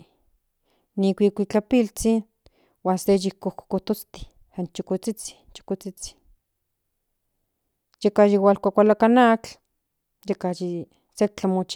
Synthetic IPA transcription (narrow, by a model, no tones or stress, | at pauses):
nikʷikʷit͡ɬapilt͡sin | waːnsejikohko̥kot̪ot͡st̪i̥ | hant͡ʃokot͡sit͡si̥t͡ʃo̥kot͡sit͡si̥ | jekaʃiwalkʷakʷalakanat͡ɬ | jekaji | sek̚t͡ɬamot͡ʃ